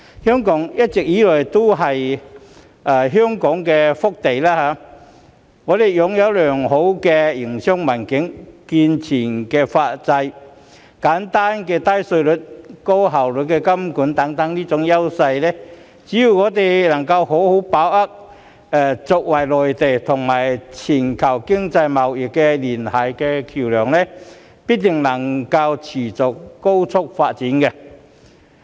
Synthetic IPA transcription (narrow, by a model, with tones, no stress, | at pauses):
hœː˥ŋkɔː˨˥ŋjɐ˥t̚t͡sɪ˨k̚jiː˨˥lɔː˨˩jt̪o˥wɦɐ˨j | ʔaː˨˩ɦœː˥ŋkɔː˨˥ŋkɛː˧fʊ˥k̚t̪e˨jlaː˥haː˨˧˥ | ŋɔː˨˧t̪e˨jjʊ˨ŋjɐ˨˧wlœː˨˩ŋho˨˥wkɛ˧ji˨˩ŋsœ˥ŋmɐ˨˩nkɪ˨˥ŋkiː˧nt͡sʰiː˨˩nkɛː˧faː˧t̚t͡sɐ˧j | kaː˨˥nt̪aː˥nkɛː˧t̪a˥jsɵ˧ɥlɵ˨˧˥t̚ko˥wɦa˨˩wlɵ˨˥t̚kɛː˧kɐ˥mkuː˨˥nt̪ɐ˨˥ŋt̪ɐ˨˥ŋliː˥t͡sʊ˨˥ŋjɐ˥wsɐ˧jlɛː˥ | t͡siː˨˥ju˨˩ŋɔː˨˧t̪e˨˩jlɐ˨˩ŋkɐ˧wɦo˨˥who˨˥wpaː˨˥wʔɐ˥k̚ | ɛ˨˧t͡sʊ˨k̚wɐ˨˩jlɔː˨˩jt̪e˨˩jt̪ʰʊ˨˩ŋmaː˨˩jt͡sʰiː˨˩nkʰɐ˨˩wkɪ˥ŋt͡sɐ˧jmɐ˨˩wjɪ˨˩k̚kːɛ˧liː˨˩nhɐ˨˩jkɛː˧kʰi˨˩wlœː˨˩ŋlɛ˥ | pi˥t̚t̪ɪ˨˩ŋlɐ˨˩ŋkɐ˧wt͡sʰiː˨˩t͡sʊ˨k̚ːo˥wt͡sʰʊ˥k̚faː˧t̚t͡siː˨˥nkɛ˧